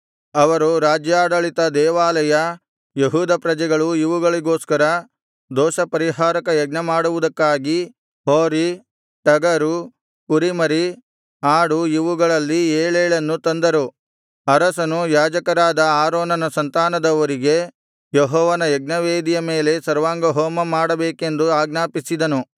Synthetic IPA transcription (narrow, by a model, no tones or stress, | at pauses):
ɐʋɐɾuɾaːd͡ʒjaːɽɐɭit̪ɐd̪ɛːʋaːlɐjɐ | jeɦuːd̪ɐpɾɐd͡ʒɛɡɐɭuiʋuɡɐɭiɡo̞ːskɐɾɐ | d̪ɔːʃɐpɐɾiɦaːɾɐkɐjɐɡ̚nɐmaːɽuʋud̪ɐkːaːɡi | ɦoːɾi | ʈɐɡɐɾu | kuɾimɐɾi | aːɽuiʋuɡɐɭɐlːieːɭeːɭɐnːut̪ɐnd̪ɐɾu | ɐɾɐsɐnujaːd͡ʒɐkɐɾaːd̪ɐaːɾoːnɐnɐsɐnt̪aːnɐd̪ɐʋɐɾiɡe̞ | jeɦɔːʋɐnɐjɐɡ̚nɐʋeːd̪ijɐme̞ːle̞sɐɾʋaːŋɡɐɦoːmɐmaːɽɐbeːke̞nd̪uaːɡnaːpisid̪ɐnu